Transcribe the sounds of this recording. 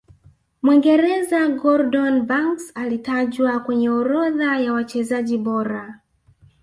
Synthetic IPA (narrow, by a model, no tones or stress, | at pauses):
mwiŋɡɛɾɛzaɡɔɾdɔnbaŋksalitaʄwakwɛɲɛɔɾɔðajawat͡ʃɛzaʄiɓɔɾa